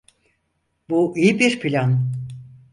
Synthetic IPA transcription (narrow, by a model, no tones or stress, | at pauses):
b̥uʔipeʃpʰilʲɑn